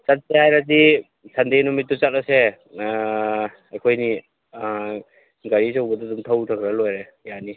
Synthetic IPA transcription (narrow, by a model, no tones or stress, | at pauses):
t͡ʃat̚sehajɾat̬i | sandenumit̚ːut͡ʃat̚ɔse | ajkʰojni | ɡaɾisawbɐdudumtʰawtʰakɾalojɾejani